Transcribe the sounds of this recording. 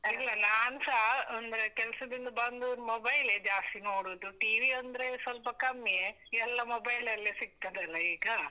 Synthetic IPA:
ilːɐnaːnsaɐnd̪ɾekɛlɐsɐd̪ind̪ɐbɐnd̪umɔbɐjled͡ʒaːst̪inoːɽoːd̪uʈiʋiɐnd̪ɐɾesɐlpɐkɐmːje | ɛlːɐmɔbɐjlɐlːesiɡ̚t̪ɐd̪eɐlːɐiːɡɐ

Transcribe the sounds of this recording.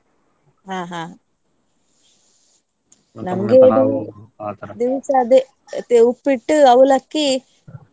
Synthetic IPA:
ɦaːɦaː | nɐmɡeːɖu | d̪iʋɐsɐd̪e | t̪eupːiʈːɨɐʋulɐkːi

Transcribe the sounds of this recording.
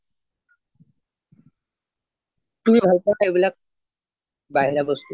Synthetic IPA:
t̪umibʱalpanaebilak̚ | baɦiɾabost̪u

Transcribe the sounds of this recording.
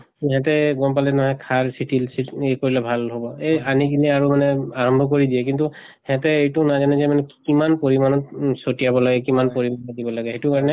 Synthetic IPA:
kiɦɛ̃t̬ɛɡɔmpalɛnɔɦɔjkʰaɹsitilsiekoɹilɛbʱalɦobɔeanikilɛaɹumanɛaɹɔmbʱɔk̬oɹidijɛk̬intu | hɛ̃tɛejtunazanɛzɛmanɛkimanpoɹimanɔtsotijabɔlaɡɛkimanpoɹimanɔdibɔlaɡɛɦetukaɹɔnɛ

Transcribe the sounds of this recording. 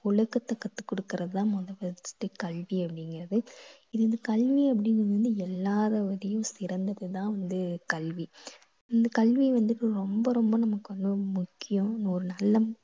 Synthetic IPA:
ʊɭɐkːɐt̪ːɐkːɐt̪ːɯ̥kːɔɽɯkːɪɾɐðɯt̪ãːmɔðɐʋɐt͡ʃːʈːɯkɐɭʋiɐpːɐɽɪŋɡɪɾɐðɯɪðɯɪnd̪ɐkɐlʋiɐp̬ːɐɽɪŋɡnnd̪ɯɛlːaːðɐʋɐɾɪjʊ̃sɪɾɐnd̪ɐðɯt̪ãːʋɐnd̪ɯkɐɭʋi | ɪnd̪ɐkɐlʋiʋɐnd̪ɯʈːɯɾɔmbɐɾɔmbɐnɐmɐkːɯʋɐnd̪ɯmʊkːɪjʊ̃ɪnɐɔɾɯnɐlːɐ

